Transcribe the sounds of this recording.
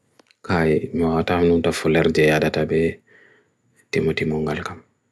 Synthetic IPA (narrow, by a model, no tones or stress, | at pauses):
kajmiwatamnumtafɔlɛɾd͡ʒɛjadatabɛ | timɔtimɔŋɡalkam